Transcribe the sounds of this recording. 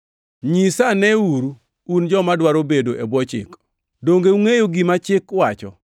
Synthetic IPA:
ɲisanɛuɾu | und͡ʒɔmadwaɾobedoʔebwɔt͡ʃɪ̰k | doŋɡeuŋejoɡimat͡ʃɪkwat͡ʃɔ̰

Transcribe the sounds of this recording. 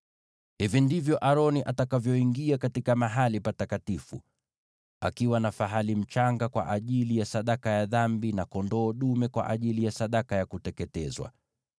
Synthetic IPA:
hivindivjɔʔaɾɔniʔatakavjɔiŋɡiakatikamaɦalipatakatifṵ | a̰kiwanafaɦalim̩t͡ʃaŋɡakwa̰ʔaʄilijasaɗakajaðambinakɔndɔːɗumɛkwa̰ʔaʄilijasaɗakajakutɛkɛtɛzwa̰

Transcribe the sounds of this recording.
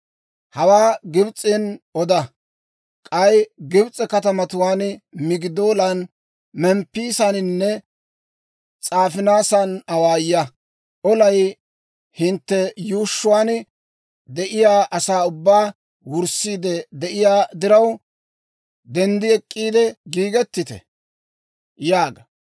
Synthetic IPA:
hɐwaːɡɪbt͡sʼɪnɔd̪ɐ | kʼɐjɡɪbt͡sʼːɛkɐt̪ɐmɐt̪ʊwaːnmɪɡɪd̪oːlɐn | mɛmpːiːsɐnɪnːɛ | t͡sʼaːfɪnaːsɐnɐwaːjːɐ | ʔɔlɐj | hɪnt̪ːɛjuːʃːʊwaːn | d̪ɛʔɪjaːʔɐsaːʊbːaː | wʊɾsiːd̪ɛd̪ɛʔɪjaːd̪ɪɾɐw | d̪ɛnd̪ɪɛkʼːiːd̪ɛɡiːɡɛt̪ːɪt̪ɛ̰ | jaːɡɐ

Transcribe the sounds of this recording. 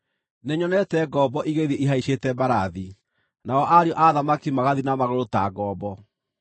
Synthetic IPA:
neɲɔnɛtɛɡɔbɔʔiɣeðieʔiɦaiʃetɛbaɾaði | naɔʔaɾeɔʔaðamakimaɣaðinamaɣoɾotaɡɔːbɔ

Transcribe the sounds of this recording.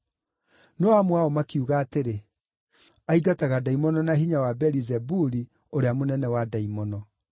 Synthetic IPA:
nɔamwaɔmakiuɣaːteɾe | aiɡataɣadaimɔnɔnaɦiɲawabɛɾizɛbuɾi | oɾeamonɛnɛwadaimɔnɔ

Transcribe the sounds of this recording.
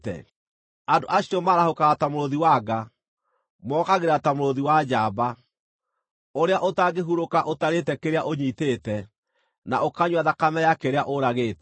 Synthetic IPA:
tɛ̰ | adoʔaɕiɔmaːɾahokaɣatamoɾoðiwaɡa | mɔkaɣeɾatamoɾoðiwad͡ʒaːba | oɾeaʔotaɡeɦuɾokaʔotaɾetɛkeɾeaʔoɲitetɛ | na̰ʔokaɲwaðakamɛjakeɾeaʔoɾaɣeːtɛ̥

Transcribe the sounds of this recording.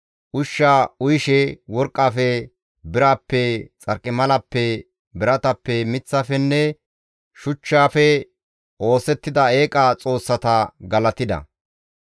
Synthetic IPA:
ʔʊʃːaːʊjɪʃɛwɔɾkʼːaːfɛ | bɪɾaːpːɛt͡sʼɐɾkʼːɪmɐlɐpːɛ | bɪɾɐt̪ɐpːɛmɪt͡sːafɛnːɛ | ʃʊt͡ʃːaːfɛ | ʔo̞ːsɛt̪ːɪd̪ɐe̞ːkʼɐt͡sʼo̞ːsːɐt̪ɐɡɐlɐt̪ɪd̪ɐ̰

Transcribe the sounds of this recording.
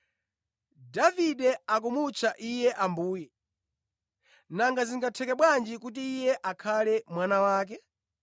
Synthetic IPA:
daviɗɛak̬umut͡ʃʰaʔijɛʔambuːjɛ | naŋɡaziŋɡatʰɛkɛɓwand͡ʒikut̬iːjɛʔakʰalɛmwanawaːk̬ɛ

